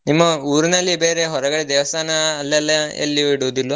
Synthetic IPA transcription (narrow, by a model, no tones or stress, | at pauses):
nimːɐuːɾunɐlːibeːɾeɦɔɾɐɡɐɽed̪ɛːʋɐst̪ʰaːnɐːlːɐlːɐɐ̰lːiiɽuːd̪ilːu